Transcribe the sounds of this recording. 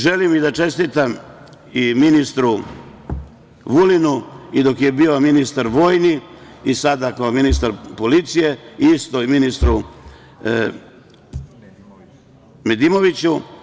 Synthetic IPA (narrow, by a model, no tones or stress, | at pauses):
ʒe̞limid̪at͡ʃe̞st̪it̪am | iminist̪ɾu | ʋulinuid̪o̞kje̞bio̞minist̪aɾʋo̞ːjni | isad̪akaominist̪aɾpo̞lit̪sije̞ist̪o̞iminist̪ɾu | med̪imo̞ʋit͡ɕu